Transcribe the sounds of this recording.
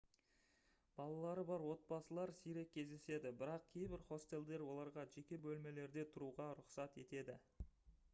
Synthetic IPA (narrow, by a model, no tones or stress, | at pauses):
b̥ɑlˠɑlˠɑɾəbɑɾwo̞t̪̚bɑsəlˠɑɾsijɾe̞k̚ʲʰːe̞zd̪e̞se̞d̪ɪbɪɾɑq̚kʲʰejbɪɾχo̞st̪e̞lʲd̪e̞ɾwo̞lˠɑɾʁɑʒe̞kʲe̞bɵlme̞le̞ɾd̪e̞t̪ʰʊɾuʁɑɾʊqsɑt̪e̞t̪e̞d̪ɪ